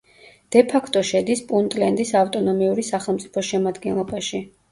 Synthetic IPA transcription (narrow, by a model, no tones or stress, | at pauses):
d̪̥ɛpʰakʰt̪ʼɔʃɛd̪ispʼunt̪ʼlɛnd̪isaft̪ʼɔnɔmiuɾisaχɛlˠmt̪sʼi̥pʰɔʃɛmad̪ɡɛnlˠɔbaʃi